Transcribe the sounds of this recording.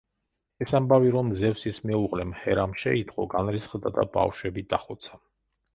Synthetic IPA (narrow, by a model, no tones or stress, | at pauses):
ɛsambaviɾɔmzɛfsismɛuqʼlɛmhɛɾamʃɛit̪ʰʼqʼɔɡanɾisχd̪ad̪a̰ba̰fʃwɛbid̪aχɔt̪sʰa